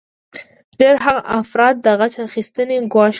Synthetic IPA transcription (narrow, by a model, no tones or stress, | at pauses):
ɖeɾɦaɣaʔafɾɑt̪̚d̪əɣat͡ʃaxist̪əneɡwɑʃ